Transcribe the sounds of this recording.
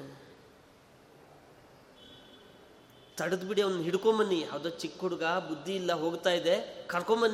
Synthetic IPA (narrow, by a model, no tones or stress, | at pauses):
t̪ɐɽɐd̪biɽiɐʋɐnːuɦiɽkombɐnːiɦɐʋd̪oːt͡ʃikːɦuɽuɡɐbud̪ʱːiːlːɐɦo̞ːɡt̪aːjid̪e̞kɐɾkombɐnːi